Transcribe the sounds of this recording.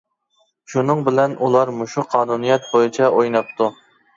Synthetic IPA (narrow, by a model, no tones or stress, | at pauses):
ʃunɨŋbɪlɛnulˠɑɾmuʃuqʰɑːnunijɛt̪̚bojɪt͡ʃʰɛʔojnɑp̚t̪ʰu